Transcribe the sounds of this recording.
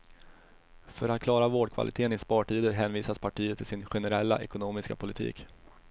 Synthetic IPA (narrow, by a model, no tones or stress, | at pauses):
fœɾat̪̚kʰlɑːɾavoːɖkʰva̰lɪt̪ʰeːənɪspɑːʈʰiːd̪əɾɦɛːnviːsaspʰaʈʰiːət̪ʰːɪlsɪnɧɛnɛɾɛlːa̰ʔɛkʊnoːmɪska̰pʰʊlɪt̪ʰḭːk